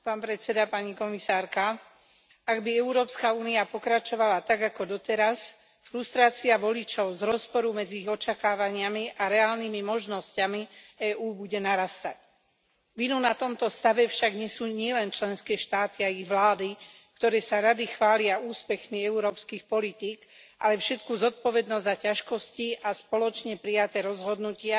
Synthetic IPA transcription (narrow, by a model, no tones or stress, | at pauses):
paːnpɾɛt̪sɛd̪apaɲikɔmisaːɾka | aɡbiɛʊɾɔːpskauːniapɔkɾat͡ʃɔʋalat̪aɡakɔd̪ɔt̪ɛɾas | fɾust̪ɾaːt͡siaʋɔlit͡ʃɔʊzɾɔspɔɾumɛd͡ziiɣɔt͡ʃakaːʋaɲɪamiʔaɾɛaːlnimimɔʒnɔscamiɛːʔuːbuɟɛnaɾast̪a̰c | ʋinunat̪ɔmt̪ɔst̪aʋɛfʃaɡɲɪɛsuːɲɪɛlɛnt͡ʃlɛnskɛːʃt̪aːt̪iaiɣʋlaːd̪i | kt̪ɔɾɛːsaɾad̪ixʋaːlɪauːspɛxmiɛuɾɔːpskixpɔlit̪iːk | ʔa̰lɛfʃɛt̪̚kuzɔt̪̚pɔʋɛd̪nɔzzacaʃkɔsciʔaspɔlɔt͡ʃɲɛpɾijat̪ɛːɾɔzɦɔd̪nucɪa